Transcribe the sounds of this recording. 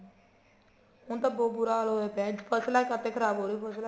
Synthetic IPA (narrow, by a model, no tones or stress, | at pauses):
ʊnt̪ãːbɔːbʊɾaːloːeːpɛːd͡ʒpʰəslakət̪eːkʰəɾaːboːɾiːpʰəsla